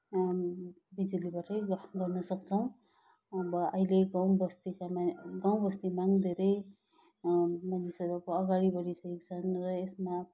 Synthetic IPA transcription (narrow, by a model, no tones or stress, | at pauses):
bid͡zilibaʈʌjɡʌrnʌsʌkt͡sʰʌw̃ | ʌbʌʌileɡaw̃bʌst̪ikamɡaw̃bʌst̪imaŋd̪ʱeɾʌj | manisʌɾʌkoʌɡaɽibʌɾisʌekt͡sʰʌnrʌesma